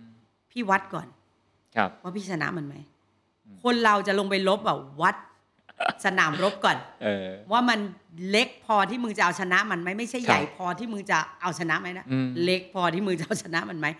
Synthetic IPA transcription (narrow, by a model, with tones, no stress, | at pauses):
pʰiː˥˩wa˦˥t̪̚kɔ̰ː˨˩n | kʰa˧waː˥˩pʰiː˥˩a˧na̰˦˥ʔma˧nma˦˥j | kʰo˧nɾa˧wt͡ɕa˨˩lo˧ŋp̬a˧jlo˦˥p̚bɛː˨˩p̚wa˦˥t̪̚ | sa˧naː˩˦mɾo˦˥p̚kɔː˨˩nʔɤː˧waː˥˩ma˧n | le˦˥k̚pʰɔː˧t̪ʰiː˥˩mɯː˧t͡ɕa˨˩ʔa˧wt͡ɕʰa˧na˦˥ʔma˧nma˦˥jma˥˩jt͡ɕʰa˥˩jːa̰˨˩˦jpʰɔː˧t̪ʰiː˥˩mɯː˧t͡ɕa˨˩ʔa˧wt͡ɕʰa˧na˦˥ma˦˥jna˦˥le˦˥k̚pʰɔː˧t̪ʰiː˥˩mɯː˧t͡ɕa˨˩ʔa˧wt͡ɕʰa˧na˦˥ʔma˧nma˦˥j